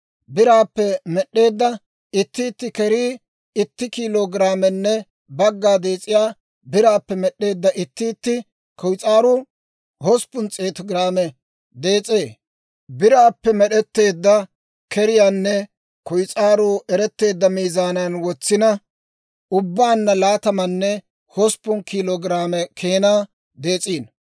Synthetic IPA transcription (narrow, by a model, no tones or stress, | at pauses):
bɪɾaːpːɛmɛɗːe̞ːd̪ːɐ | ɪt̪ːɪːt̪ːɪkɛɾiː | ɪt̪ːɪkiːloːɡɾaːmɛnːɛ | bɐɡːaːd̪e̞ːt͡sʼːɪjaː | bɪɾaːpːɛmɛɗːe̞ːd̪ːɐʔɪt̪ːɪːt̪ːɪ | kɔjt͡sʼaːɾʊ | hɔspːʊnt͡sʼe̞ːt̪ɔɡɾaːmɛ | d̪e̞ːt͡sʼe̞ː | bɪɾaːpːɛmɛɗɛt̪ːe̞ːd̪ːɐ | kɛɾɪjaːnːɛ | kɔjt͡sʼaːɾʊɛɾɛt̪ːe̞ːd̪ːɐmiːzaːnanwɔt͡sːɪnɐ | ʊbːaːnːɐlaːt̪ɐmɐnːɛ | hɔspːʊnkʰiloːɡɾaːmɛkʰe̞ːnaː | d̪e̞ːt͡sʼiːn